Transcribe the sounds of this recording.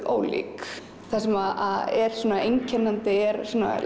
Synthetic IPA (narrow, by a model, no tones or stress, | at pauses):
o̰ːwlḭːk | θasɛmaðaðɛɾ̥suːnaejɲcʰɛnːant̪ɪɛɾsɔːna̰